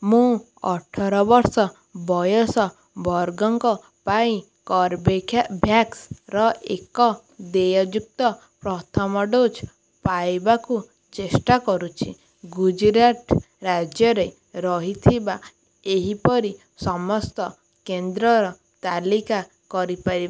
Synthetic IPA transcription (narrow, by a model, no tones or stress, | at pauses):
mũ | ɔʈʰɔɾɔbɔɾsɔ | bɔjɔsɔ | bɔɾɡɔŋkɔ | paĩ | kɔɾbekʰabʱjaksɾɔḛkɔ | d̪ejɔd͡ʒuk̚t̪ɔ | pɾɔt̪ʰɔmɔɖot͡ʃ | pajbaku | t͡ʃesʈakɔɾut͡ʃʰi | ɡud͡ʒɾaʈ | ɾad͡ʒjɔɾe | ɾɔɦit̪ʰiba | eɦipɔɾi | sɔmɔst̪ɔ | kend̪ɾɔɾɔ | t̪alika | kɔɾipaɾib